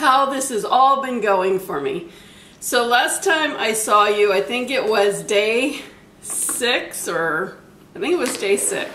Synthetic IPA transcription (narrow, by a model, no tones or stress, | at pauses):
haʊðɪsɨzɔlˠbɨ̃nɡoʊɪ̃ŋfə˞mḭ | soʊlæstʰãɪ̃mʔa̰ɪsɔjɨaɪθɪ̃ŋkɪʔ̚wʌzdeɪ | sɪksə˞ | aɪθɪ̃ŋkɨt̚wʌzdeɪsɪ̰ks